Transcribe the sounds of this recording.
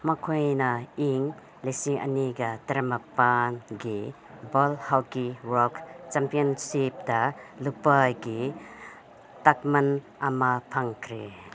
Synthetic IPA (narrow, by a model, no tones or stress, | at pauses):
mɐkʰojnɐiŋ | lesiŋʔɐ̰niɡɐtɐɾɐmɐpanɡi | bolhawkiwɔkt͡ʃampijɔnsip̚dɐlupajɡi | tak̚mɐn | ɐmɐpʰaŋkʰɾe